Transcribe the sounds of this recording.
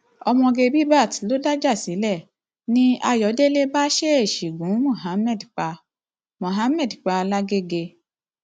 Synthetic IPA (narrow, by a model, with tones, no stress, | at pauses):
ɔ˧mɔ̃˧ɡe˧bi˦ba˦˨ti˨˦lo˦da˦d͡ʒa˦˨si˨˦lɛ˦˨ | nĩ˦a˧jɔ˨˦de˦le˦ba˦ʃe˦e˦˨ʃi˨ɡũ˨˦mɔ̃˦˨ɦa˨˦mɛ˦˨dk͡pa˧ | mɔ̃˨ɦa˨˦mɛ̃˦˨dk͡pa˧la˦ɡe˦ɡe˧